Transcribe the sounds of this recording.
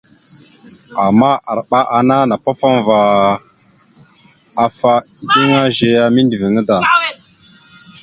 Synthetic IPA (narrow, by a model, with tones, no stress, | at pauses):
a˨mːa˦ʔa˨ɾɓa˦ʔa˨na˦na˨pa˦fa˦mva˨ | a˨fa˦di˦ŋa˦ʒe˨ja˦mi˦ndi˨vi˨ŋə˦da˨ŋ